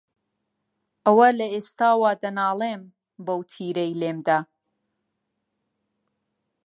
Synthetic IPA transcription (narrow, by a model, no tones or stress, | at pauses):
ʔɐwɐlɐeːst̪aːwaːd̪ɐnaːlˠem | bɐwt̪ʰiːɾejleːmd̪aː